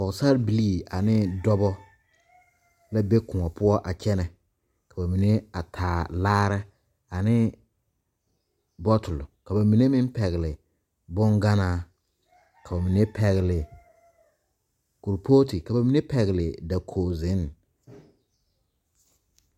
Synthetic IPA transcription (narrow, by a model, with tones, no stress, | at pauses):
kɔ˨sa˦ɾbi˨li˦˨a˨nɪ˦dɔ˦bɔ˦ | la˦be˦kʊ̃˨ŋɔ˨pʊ˦ɔ˦ʔa˨t͡ʃɛ˦nɛ˨ | ka˨ba˨mi˨ne˦a˨tʰaː˨laː˦ɾɛ˦ | a˨nɪ˦ | bɔ˦tʊ˨lʊ˨ka˨ba˨mi˨ne˦mɪ˦m˦pɛ˨ɣɪ˨lɪ˨ | bʊ˦ŋɡa˦naː˦˨ | ka˨ba˨mi˨ne˦pʰɛ˨ɣɪ˨lɪ˨ | kʊ˨ɾpʰoː˦tɪ˨ka˨ba˨mi˨ne˦pɛ˨ɣɪ˨lɪ˨da˨kʰoː˨zɪ˨˦n